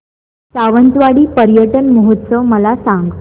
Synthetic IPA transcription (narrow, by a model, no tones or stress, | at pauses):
saʋənt͡sʋaɽiːpəɾjəʈənməɦut̪ːsəʋməlasaŋɡ